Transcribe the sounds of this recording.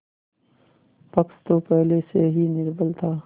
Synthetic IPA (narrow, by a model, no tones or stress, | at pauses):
pəkst̪opɛɦleseɦinɪɾbəlt̪ʰaː